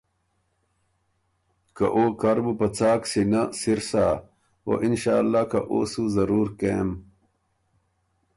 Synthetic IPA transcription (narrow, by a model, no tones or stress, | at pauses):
kɐʔoːkɐɾbupɐt͡saːksinɐsiɾsaː | o̰ʔinɕaːlːaːkɐʔo̰ːsuzɐɾuːɾkeːm